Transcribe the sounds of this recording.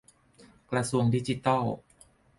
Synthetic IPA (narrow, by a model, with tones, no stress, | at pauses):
kɾa˧su˧əŋdi˦˥t͡ɕi˧t̪ɔ˥˩w